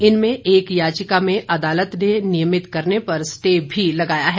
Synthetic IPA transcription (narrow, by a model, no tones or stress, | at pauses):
ɪnmẽʔeːkjaːt͡ʃɪkamẽʔɐd̪aːlət̪nenɪjəmɪt̪kɐɾnepɐɾsʈeːbʱilɐɡaːjaɦɛ